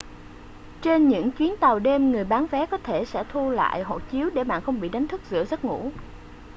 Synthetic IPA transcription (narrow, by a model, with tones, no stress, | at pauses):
t͡ɕe˧nɲɨ̰˧˥ŋt͡ɕwi˨˦ənt̪a˨˩wɗe˧mŋɨ˨˩əjɓaː˨˦nvɛ˨˦kɔ˨˦t̪ʰe˧˩sɛ̰˧˥t̪ʰu˧la̰ː˧˨jɦo̰˧˨jt͡ɕi˨˦əwɗe˧˩ma̰ː˧˨nxə˧wŋ͡mɓḭ˧˨ɗa˨˦jŋ̟t̪ʰɨ˦˥k̚zɨ̰˧˥əzə˦˥t̚ŋṵ˧˥